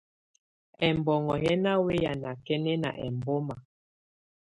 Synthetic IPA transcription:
ɛ˨mbɔ˨ŋɔ˨jɛ˦na˦we˦ja˨na˨kɛ˦nɛ˦na̰˨ʔɛ˨mbo˦ma˨

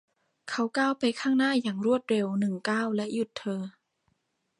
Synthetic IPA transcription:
kʰa˧˥˩wkaː˥˩˨wpa˧jkʰaː˥˩ŋnaː˥˩˨jaː˨˩ŋɾu˥˩ət̪̚ɾe˧wnɯ˨˩ŋkaː˥˩˨wlɛ˦˥ʔju˧˩t̪ʰːɤː˧

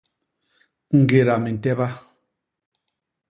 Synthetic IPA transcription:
ŋ̩˨ɡe˨ɾa˨me˨n̩˨tɛ˦ba˦

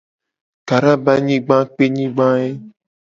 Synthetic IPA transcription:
ka˨ɾa˦ba˦ɲĩ˦ɡ͡bã˦k͡pe˦ɲĩ˦ɡ͡bã˦e˦

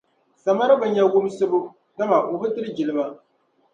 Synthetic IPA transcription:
sa˨ma˦ɾɨ˦ba˨ɲa˦ɡʊ˦m˦sɨ˦bu˦ | ka˦ma˨ʔo˨bɨ˦tɨ˦ɾɨ˦d͡ʒɪ˨lɨ˦ba˦

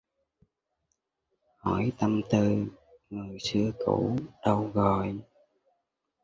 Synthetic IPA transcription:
hɔ˧˩jt̪a˧mt̪ɨ˧ | ŋɨ˨˩əjsɨ˧əkṵ˧˩ɗə˧wɣɔ˨˩j

